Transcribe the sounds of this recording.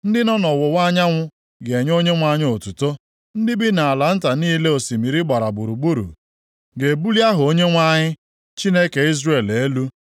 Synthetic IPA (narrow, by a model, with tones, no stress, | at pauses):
n̩˦dɪ˦nɔ˦nɔ˨wʊ˨wa˦ɲa˦ŋʷʊ˦ | ɡe˨ɲ˦o˦ɲe˦ŋʷa˦ɲɪ˦o˨tu˨to˦ | n̩˦dɪ˦bi˦na˨a˨la˨n̩˦ta˨niː˦le˦o˨si˨mi˨ɾi˦ɡ͡ba˨ɾa˨bu˨ɾu˨ɡ͡bu˦ɾṵ˨ | ɡe˨bu˦li˦a˦ɦʊ˨o˦ɲe˦ŋʷa˦ɲɪ˦ | t͡ʃi˦ne˦ke˨i˦zre˨le˦lu˦